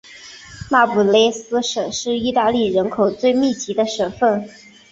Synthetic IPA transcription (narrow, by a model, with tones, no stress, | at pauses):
ma˥˩pu˨˩le˥ɪsɹ̩˥ʂɤ˨˩ʂɻ̩˥˧i˥˧t̪a˥˧li˥˩ɻə˧˥nkʰo˨˩ʊt͡swe˥˧ɪmi˥˩t͡ɕi˧˥d̪ə˧ʂə˨˩nfə˥˩n